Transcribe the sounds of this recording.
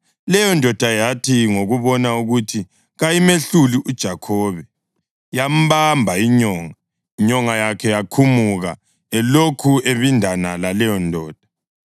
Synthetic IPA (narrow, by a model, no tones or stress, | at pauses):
lɛjɔndʱɔd̥ʱajatʰiŋoɣuβɔnauɣutʰi | ɣajimeɬuliʔud̥ʒ̥ʱakʰɔːβɛ | jam̩βambʱaiɲɔːŋa | iɲɔŋajakʰɛjakʰumuɣa | ɛlokʰueβindʱanalalɛjɔndʱɔːd̥ʱḁ